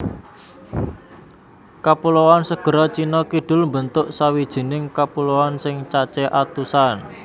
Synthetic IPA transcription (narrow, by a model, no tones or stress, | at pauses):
kapulowansəɡ̥ə̤ɾɔt͡ʃinɔkiɖ̥ʊ̤lmbənt̪ʊʔsawid̥ʒ̥i̤nɪŋkapulowansɪŋt͡ʃat͡ʃɛʔat̪usan